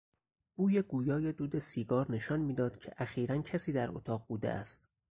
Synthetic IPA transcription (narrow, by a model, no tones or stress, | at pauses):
b̥uːjeɡuːjɒːjed̪uːd̪e̞siːɡɒːɾne̞ʃɒːnmiːd̪ɒːd̪̥cʰe̞̰ʔæxiːɾæncʰæsiːd̪æɾo̰t̪ʰɒːʁbuːd̪ḛʔæ̰st̪